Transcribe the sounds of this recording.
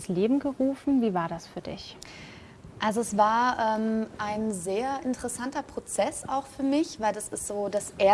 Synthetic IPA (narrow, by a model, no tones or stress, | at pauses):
sleːbm̩ɡəʁuːfn̩viːvaːɐɾasfyːɐdɪ̰ç | ʔalzoɛsv̥aːɐʔɛːmʔaɪnzeːɐʔɪntəʁəsantɐpʁ̥ot͡sɛsa̰ʊxfyːɐmɪçv̥aɪldasɪstz̥oːd̥asʔe